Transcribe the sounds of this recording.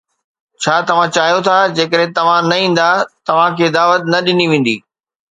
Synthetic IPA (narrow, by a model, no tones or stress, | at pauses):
t͡ɕʰaːt̪ɐʋ̤ãt͡ɕaːɦjot̪ʰad͡ʑeːkəɗɦẽt̪ɐʋ̤ãnɐĩːn̆d̪at̪ɐʋ̤ãkʰeːd̪aːʋət̪̚nɐɗɪniʋẽːn̆d̪iː